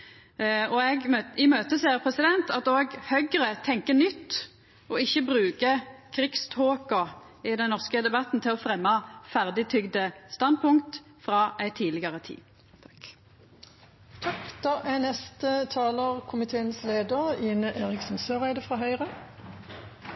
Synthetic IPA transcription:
ɔɛɡɪmøːt̪əseːʁpʰʁɛsɪd̪ɛnt̪ɑt̪oːɡhœʏɡʁət̪ʰɛŋkənʏt̪ː | ʔɔɪçːəbʁʉːkəkʰʁɪkst̪ʰoːkʊ | ɪd̪ɛnɔʁskəd̪ɛbɑt̪n̩t̪ʰɪlɔfʁɛmːɑfæʁd̪ɪt̪ʰʏɡd̪əst̪ɑnd̪̚pʰʊŋkt̪ | fʁɑːʔæɪt̪ʰːiːlɪɡɑʁət̪ʰḭː | t̪ʰɑkd̪̥ɑːʔænɛst̪ət̪ʰɑːləʁkʰʊmɪt̪ʰeːənsleːd̪əʁɪːnəʔeːʁɪksɔnsøːʁæɪd̪əfʁɑːɦœʏʁə

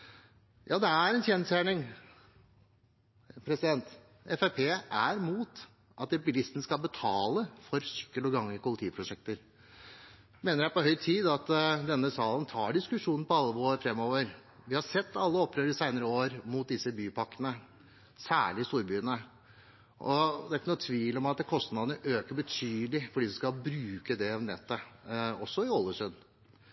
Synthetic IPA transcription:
jʔɑːd̪ɛæɾɛnçeːnəst̪jæːɳɪŋ | pʰɾɛsɪd̪ɛnt̪ | ɛfæpʰeːʔæɾmuːt̪ | ʔɑt̪̚ːɛpbɪlɪst̪n̩skɑlbət̪ʰɑːləfɔɾsʏ̥kːəlɔɡɑŋːəkʰʊlɪt̪ʰiːpʰɾʊʂɛk̚t̪əɾ | meːnəɾjæpɔɦœʏt̪ʰiːd̪ɑt̪d̪ɛnːəsɑːlənt̪ʰɑːɖɪskʉʂuːnn̩pɔɑlːəoːɾfɾɛmːoːʋəɾ | ʋɪhɑsɛt̪ʰːɑlːəɔpːɾøːɾɪsæɪnəɾəoːɾmut̪̚d̪ɪsːəbyːpɑkːənə | sæ̰ːɭɪɪst̪uːɾbyːənə | ʔɔd̪ɛækʰːnɔt̪ʰʋiːlɔmɑt̪kʰɔst̪nɑd̪ənəʔøːkəbət̪ʰyːlɪfɔɖiːskɑbɾʉːkəd̪ɛɑʋnɛt̪ːəɔsːɔɪɔlːəsœnː

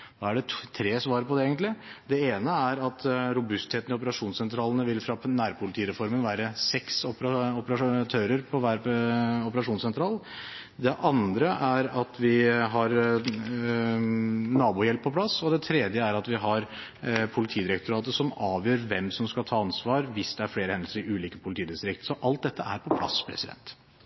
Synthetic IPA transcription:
d̪̥ɑæɖɛt̪ʰɾeːsʋɑːɾəpʰɔd̪ɛeːɡənt̪lɪd̪ɛeːnəæɾɑt̪ɾʊbʉst̪heːt̪nɪɔpəɾɑʂuːnsɛnt̪ʰɾɑːlənəʋɪlfɾɑnæːɾpʰʊlɪt̪ʰiːɾɛfɔɾmənʋæːɾəsɛksɔpɾɑɔpəɾɑt̪ʰøːɾəɾpʰɔʋæːɾɔpəɾɑʂuːnsɛnt̪ʰɾɑːl | d̪ɛʔɑnd̪ɾəʔæɾɑt̪ʰʋɪɦɑɾ | nɑːbuːjɛlpʰːɔpʰlɑsɔd̪ɛt̪ʰɾɛːd̪jəæɾɑt̪ʋɪɦɑɾ | pʰʊlɪt̪ʰiːd̪ɪɾɛk̚t̪ʊɾɑːt̪əsɔmɑːʋjøːɾʋɛmsɔmskɑt̪ʰɑːɑnsʋɑːɾʋɪsd̪ɛæɾfɽeːɾəhɛnd̪lsəɾɪʔʉːliːkəpʰʊlɪt̪iːd̪ɪst̪ɾɪk̚t̪sɔʔɑlt̪̚d̪ɛt̪ːəæ̰ɾpʰɔpʰlɑ̰spʰɾɛ̰sɪd̪ɛ̰nt̪

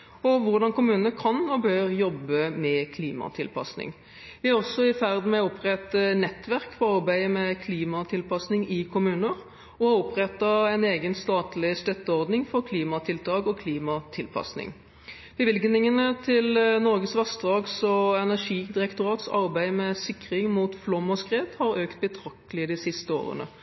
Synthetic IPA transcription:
ɔʋʊʁd̪ɑnkʊmʉːnəəkʰɑnɔbøːɾjɔbːəmɛkʰliːmɑ̰t̪ʰɪlpʰɑ̰snɪ̰ŋ | ʋɪɑɾɔsːɔɪfæʁd̪mɛʊpʁɛt̪ənɛt̪ːʋæʁkfɔɾɑʁbæɪəmɛkʰliːmɑt̪ʰɪlpɑsnɪŋɪkʰʊmʉːnəɾ | ɔhɑʊpɾɛt̪ːɑɛɪneːɡənst̪ɑːt̪lɪst̪œt̪ːəɔʁd̪nɪŋfɔʁkʰliːmɑt̪ʰɪlt̪ʰɑːɡɔkʰliːmɑt̪ʰɪlpʰɑ̰snɪ̰ŋ | b̥əʋɪlɡnɪŋənət̪ʰɪlnɔʁɡəsʋɑsd̪ʁɑːɡsɔɛnæʁʂiːd̪ɪʁɛkt̪ʊʁɑːt̪sɑ̰ɾbæɪmɛsɪkːʁɪŋmuːt̪flɔmːɔskʁeːt̪hɑɾøːkt̪̚bət̪ʰʁɑkt̪əlɪəd̪ɪsɪst̪əo̰ːʁə̰nə̰

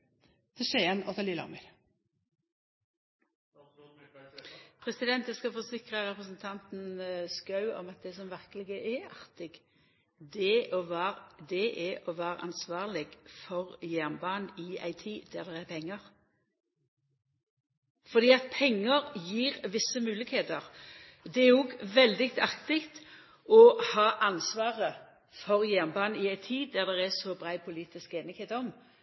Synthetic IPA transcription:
t̪ʰɛʃeːənɔt̪ʰɑliːlɑ̰mɪɾ | pʰʁɛsɪd̪ɛnt̪j̪ɛskɑfɔsɪkʁəʁɛpʁəsn̩t̪ʰɑnt̪nskɑʉɔ̰mɑt̪̚d̪ɛsɔmʋæʁkəlɪɡəʔɛʔɑʁt̪ɪɡ | d̪ɛɔd̪ɛʔɛʔɔʋæːʁə̰ʔɑ̰nsʋɑːʁlɪɡfɔʁjæʁnbɑːnɪæ̰ɪt̪ʰiːd̪̥æʁd̪ɛʁæpʰɛŋːəʁ | fɔʁd̪iːɑt̪̚pʰɛŋːəʁjiːʁʋɪsəmʉːlɪkheːt̪əʁ | d̪ɛæɾɔɡʋɛld̪ɪkt̪ɑkt̪ɪkt̪ | ɔhɑːʔɑnsʋɑːʁə | fɔʁjæʁnbɑːnɪæɪt̪ʰiːd̪æʁd̪ɛʁæsɔbɾæɪpʰʊliːt̪ɪskeːnɪɡeːt̪ɔm

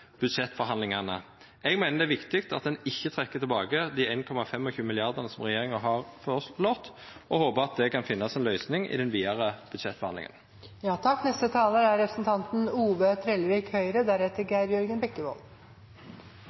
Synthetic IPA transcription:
b̥ʉd̪ʂɛt̪ːfɔɾɦɑnlɪŋɑnə | ɛɡmeɪnəd̪ɛʋɪkt̪ɪkt̪ɑt̪̚d̪ɛnɪçːət̪ʰɾɛkːət̪ʰɪlbɑːɡəd̪ieɪnkʰɔmɑfɛmːɔçʉːmɪlɪɑʁd̪əʁnəsɔmʁɛjeːʁɪŋɑɦɑʁfɔlɔt̪ | ʔɔhoːpəʁɑt̪̚d̪ɛkɑnfɪnːɑsɛnlœʏsnɪŋʔɪ̰d̪ɛnʋiːɑʁəb̥ʉd̪ʂɛt̪fɔʁhɑnɪ̰ŋə̰n | jɑːt̪ʰɑkːnɛst̪ət̪ʰɑːləɾæɾɾɛpɾəsnt̪ʰɑnt̪n̩uːʋət̪ʰɾɛlɾɪkhœʏɾəd̪æɾhɛt̪əɾɡæɪɾjʉɾɡənbɛkːəʋɔ̰l

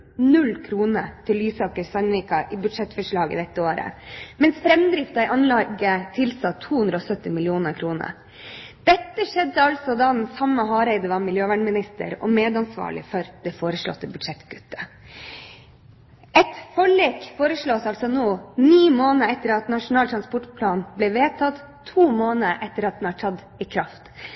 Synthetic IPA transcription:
nʉlːkʰɾuːnət̪ʰɪlːyːsɑːkəɾsɑnʋiːkɑʔɪbʉd̪ʂɛt̪ːfœʂɭɑːɡə̰d̪ɛt̪ːəoːɾə̰mɛnsfɾɛmd̪ɾɪft̪ɑɪʔɑnlɑɡət̪ʰɪlsɑt̪ʰːuːhʉnd̪ɾəɔsœt̪ːɪmɪlɪuːnəɾkʰɾuːnə̰ɾ | d̪̥ɛt̪ːəʂɛd̪ːəɑlsɔd̪ɑd̪ɛnsɑmːəɦɑːɾɛɪd̪əʋɑɾmɪljøːʋæːɳmɪnɪst̪ə̰ɾɔ̰meːd̪ɑnsʋɑ̰ːɭɪ̰fœɾd̪̥ɛfoːɾəʂɭɔ̰t̪ːəbʉd̪ʂɛt̪ɡʉt̪ːə̥ | ɛt̪fɔɭeːkfoːɾəʂɭoːsɑlsɔnoːniːmoːnəɛt̪ːəɾɑt̪nɑʂʊnɑːlt̪ʰɾɑnspɔʈpʰlɑːnblɛʋeːt̪ʰɑt̪ | t̪ʰːuːmoːnəʔɛt̪ːəɾɑt̪̚h̪ɛnɑʈʰɑd̪ | ɪkʰɾɑft̪

